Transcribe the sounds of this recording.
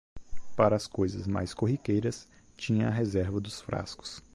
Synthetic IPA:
paɾɐːskojzɐzma̰jskoɦikejɾɐs | t͡ʃĩɲɐːɦezɛɾvɐd̪ʊsfɾa̰skʊ̥s

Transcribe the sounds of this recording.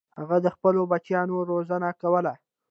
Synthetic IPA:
haɣad̪əxpəlobat͡ʃjɑnoɾozənakawəla

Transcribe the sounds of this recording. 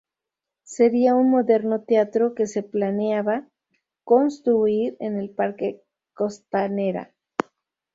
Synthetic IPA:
se̞ɾiaunmo̞ðe̞ɾno̞t̪eat̪ɾo̞kese̞planeaβa | ko̞nst̪ɾuiɾe̞̰ne̞lpaɾke̞ | ko̞st̪ane̞ɾa̰

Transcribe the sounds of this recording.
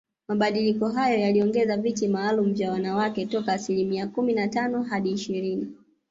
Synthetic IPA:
maɓaɗilikɔɦajɔjaliɔŋɡɛzavitimaːlum̩vjawanawakɛtɔkaːsilimiakuminatanɔɦaɗiːʃiɾini

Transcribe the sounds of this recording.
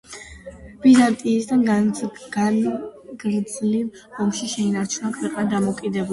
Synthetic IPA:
b̥izant̪ʼiːsd̪anɡaɡa | ɡɾd̪zlim | ɔmʃiʃɛinaɾt͡ʃʰunakʰwɛqʼnd̪amɔkʼid̪ɛb

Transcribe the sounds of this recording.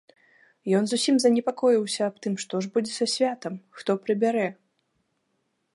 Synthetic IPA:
jɔnzusʲimzɐnʲɛpakɔjiwsʲɐːp̚t̪ɨmʂt̪ɔʐbud͡zʲɛsɐsʲvʲat̪ɐmxt̪ɔpɾɨbʲaɾɛ

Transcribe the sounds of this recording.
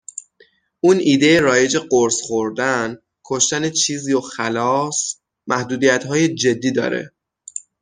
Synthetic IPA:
ʔuːnʔiːd̪ejeɾɒːje̞d͡ʒe̞ɢoɾsχoɾd̪æn | kʰoʃt̪æne̞t͡ʃʰiːziːoxælɒːs | mæhd̪uːd̪ijæt̪ɦɒːje̞d͡ʒe̞d̪ːiːd̪ɒ̰ːɾḛ

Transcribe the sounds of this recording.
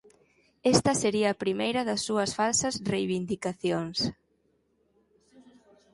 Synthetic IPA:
ɛst̪ɐseɾiɐːpɾimejɾɐðɐsːuɐsfalsɐsrejβind̪ikaθjoŋs

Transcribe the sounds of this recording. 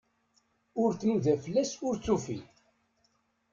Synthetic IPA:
ʊɾθnuðæfəlːæsʊɾt͡sːufḭ

